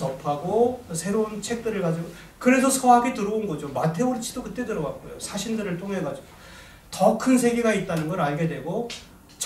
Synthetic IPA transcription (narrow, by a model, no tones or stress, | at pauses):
ʌpʰaɡosʰe̞ɾount͡ɕʰe̞k̚t͈ɯɾɯɭkad͡ʑiɡo | kɯɾe̞s̬ʰʌsʰʌɦaɡitɯɾʌunɡʌd͡ʑomatʰe̞oɾit͡ɕʰid̥okɯt͈e̞dɯɾʌɡat̚k͈o̰jo̰sʰaɕʰindɯɾɯɭtʰoŋɦe̞ɡad͡ʑiɡo | tʌkʰɯnsʰe̞ɡiɡait̚t͈anɯnɡʌɾaɭɡe̞dwe̞ɡo | t͡ɕ